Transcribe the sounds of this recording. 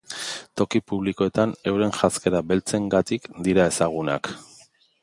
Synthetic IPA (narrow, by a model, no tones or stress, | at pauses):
t̪o̞kipuβliko̞e̞t̪ane̞wɾe̞nʝaske̞ɾabe̞lt͡se̞ŋɡat̪ikd̪iɾae̞saɣ̞una̰k